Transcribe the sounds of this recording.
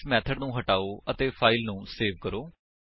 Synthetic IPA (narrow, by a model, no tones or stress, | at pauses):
mɛːt̪ʰəɖnũːɦəʈaːoːʔət̪eːpʰaːɪlnũːseːʋkəɾoː